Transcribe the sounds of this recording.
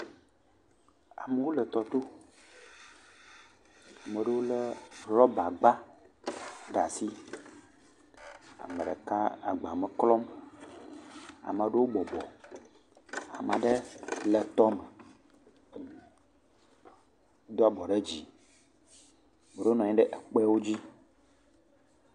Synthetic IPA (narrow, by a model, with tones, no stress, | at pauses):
a̰˨me˨wo˦lə˨t̪ɔ˨t̪o˦ | a˨mə˨ɖə˦wo˦lə˦ɾɔ˦ba˨ɡ͡ba˦ | ɖa˨si˦ | a̰˨mə˨ɖɛ˨ka˦a˨ɡ͡ba˨mɛ˨klɔ˦m | a̰˨mə˨ɖe˦wo˦bɔ˨bɔ˨ | a̰˨mã˨ɖe˦lɛ˨t̪ɔ˦mɛ˨ | d̪o˦a˦bɔ˨ɖe˦d͡ʑi˨ | mə˨ɖo˦nɔ̃˨ɲɛ̃˦ɖɛ˦ʔɛ˨k͡pɛ˦wo˦d͡ʑi˦